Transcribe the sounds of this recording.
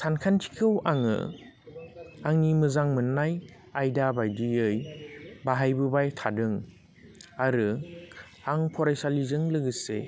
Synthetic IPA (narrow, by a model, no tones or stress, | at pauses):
sʰankʰantʰi̥kʰɯwʔaŋɯ̰ | aŋnimɯzaŋmɯnːaj | ajdabajdiɯjbaɦajbɯbajtʰadɯŋ | aɾɯ | aŋpʰɔɾajsalizɯŋlɯɡɯse